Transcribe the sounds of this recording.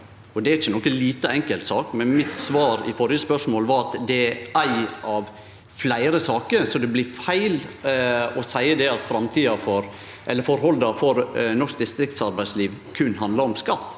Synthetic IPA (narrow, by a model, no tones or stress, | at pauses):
ɔd̪ɛæɾɪt͡ʃːənɔkːəliːt̪əɛŋkəlt̪sɑːkmɛnmɪt̪sʋɑːɾɪ̰fɔɾɪjəspœʂmoːlʋɑɾɑt̪d̪ɛæɪɑʋ | flæɪɾəsɑːkəɾsɔd̪ɛblɪɾfæɪl | ɔsæɪəd̪ɛɑt̪fɾɑmt̪ʰiːɑfɔɾ | ʔɛlːəɾfɔɾɦɔld̪ɑfɔɾnɔʂk̚d̪ɪst̪ɾɪk̚t̪sɑɾbæɪsliːʋkʰʉnːɦɑnd̪lɑɾɔmskɑt̪ː